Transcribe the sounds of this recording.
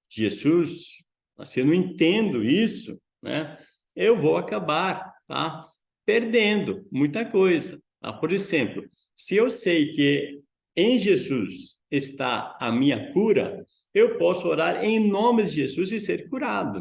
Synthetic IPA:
ʒezus | mɐ̰sɪewnɐ̃w̃ẽt̪ẽnd̪ʊisʊ̰ | nɛ̰ | ewvowakabaɾt̪a̰ | peɾd̪ẽnd̪ʊmũj̃t̪ɐkojzɐt̪a̰poɾezẽmplʊ | sɪewsejkɪ | ẽj̃ʒezusest̪aɐmĩɲɐkuɾɐ̰ | ewpɔsʊoɾaɾẽj̃nõmɪzɪʒezuzɪseɾkuɾad̪ʊ

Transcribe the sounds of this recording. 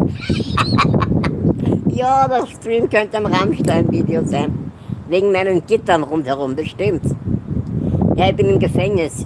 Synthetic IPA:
jaːdastʁiːmkœntəamʁamʃtaɪnviːdeozaɪn | veːɡŋ̩maɪnənɡ̥ɪtɐnʁʊnthɛʁʊmb̥əʃtɪmt | jaːçb̥ɪnɪmɡəfɛŋnɪs

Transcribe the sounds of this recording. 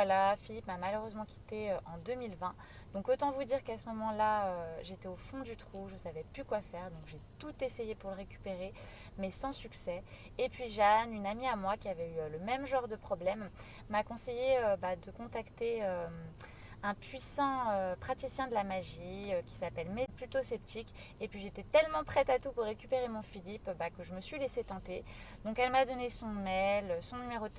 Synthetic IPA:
vwalafilipmamaløʁøzmɑ̃kʲi̥t̪eøʔɑ̃d̪ømilvɛ̃ | d̪̥ɔ̃kot̪ɑ̃vud̪iʁkasəmɔmɑ̃laøʒet̪ɛofɔ̃d̪yt̪χuʒəsavɛplykwafɛʁd̪ɔ̃kʒet̪ut̪esejepuʁləʁekʲy̥peʁe | mɛsɑ̃syksɛ | epɥiʒanynamiamwakʲiavɛyøləmɛmʒɑ̃ʁd̪əpχɔblɛmː | akɔ̃sejeøbad̪əkɔ̃t̪akt̪eø | ɛ̃pɥisɑ̃øpχat̪isjɛ̃d̪əlamaʒiøkʲi̥sapɛlmɛd̪̚plyt̪osɛpt̪ik | epɥiʒet̪ɛt̪ɛlmɑ̃pχɛt̪at̪upuʁːekʲypeʁemɔ̃filipbakəʒəməsɥileset̪ɑ̃t̪e | d̪ɔ̃kɛlmad̪ɔnesɔ̃mɛløsɔ̃nymeʁo

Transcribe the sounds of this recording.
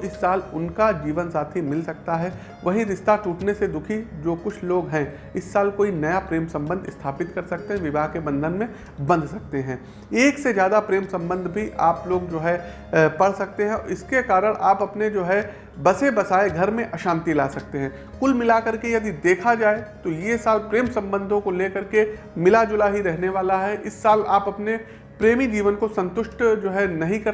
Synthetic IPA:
oɪsːaːlʊnkad͡ʒiːʋənsaːt̪ʰimɪlsɐk̚t̪aɦɛ | ʋɐɦĩɾɪʃt̪aʈuːʈnesed̪ʊkʰid͡ʒoːkʊt͡ʃʰloːɡɦɛ̃ | ɪsːaːlkoːinɐjapɾeːmsɐ̃mbə̃nd̪ɪ̰st̪ʰaːpɪt̪kɐɾsɐk̚t̪eɦɛ̃ʋɪbʱaːɦkebɐ̃nd̪ʱənmẽ | bɐ̃nd̪ʱsɐk̚t̪eɦɛ̃ː | eːksezjaːd̪apɾeːmsɐ̃mbə̃nd̪ʱbʱiʔaːploːɡd͡ʒoːɦɛ | pɐɽ̤sɐk̚t̪eɦɛ̃ɪskekaːɾəɽ̃ʔaːpɐpned͡ʒoːɦɛ | bɐsebɐsaːeɡʱɐɾmẽʔɐʃaːmt̪ilaːsɐk̚t̪eɦɛ̃ː | kʊlmɪlakɐɾkejɐd̪id̪eːkʰad͡ʒaːet̪ojesaːlpɾeːmsɐ̃mbə̃nd̪ʱõkoleːkɐɾke | mɪlad͡ʒʊlaɦiɾɛɦneʋaːlaɦɛʔɪsːaːlaːpɐpne | pɾeːmid͡ʒiːʋənkosɐ̃nt̪ʊʃʈd͡ʒoːɦɛnɐɦĩkɐɾ

